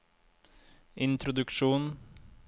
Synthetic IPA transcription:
ɪnt̪ʰɾʊd̪ʉkʃuːn

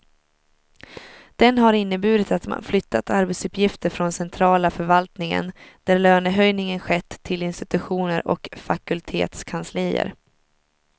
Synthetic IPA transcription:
d̪̥ɛnɦaɾɪnːəbʉ̟ːd̪ɪt̪at̪ma̰nflʏt̪ʰːat̪aɾbɛt̪sɵpjɪft̪əɾfɾɔnsɛnt̪ʰɾɑːlafœɾvalt̪nɪŋə̰nd̪̥æɾløːnəɦœjnɪŋənɧɛt̪ʰːɪlɪnst̪ɪt̪ɵɧuːnəɾʔɔ̰kfakɵlt̪ʰḛːt̪skʰanslɪjə̰ɾ

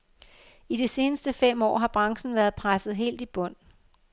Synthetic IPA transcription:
id̥ese̝ːnəsd̥əfem̰ɒ̰ːɦɑ̈b̥ʁɑ̈ŋsn̩ʋæːɐðˠpʰʁasð̩ˠɦe̝̰ːld̥ib̥ɔ̽n̰

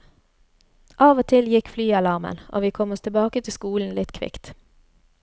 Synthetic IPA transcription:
ʔɑːʋoːt̪ʰɪljɪkflyːɑlɑʁmə̰nʔo̰ːʋiːkʰɔmɔst̪ʰɪlbɑːkət̪ʰɪskuːln̩lɪt̪kʰʋɪ̰kt̪

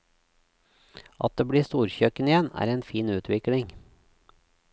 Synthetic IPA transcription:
ʔɑ̰t̪̚d̪eːbɽiːst̪uːɾçœkənɪjɛnæ̰ːɾeːnfiːnʉːt̪ʰʋɪklɪŋ

